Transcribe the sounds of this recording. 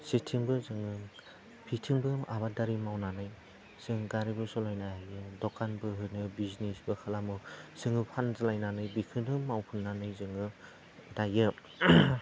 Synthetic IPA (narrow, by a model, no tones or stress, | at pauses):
setʰiŋbɯzɯŋɯŋ | pʰitʰiŋbɯʔa̰βadaɾimawnanɯj | z̥ɯŋɡaɾibɯsɔlajnajajɯdɔkanbɯɦɯnɯbizinesbɯkʰalamɯsɯŋɯpʰanzalajnanɯjbikʰɯnɯmawpʰɯnːanɯjzɯŋɯ | dajɯ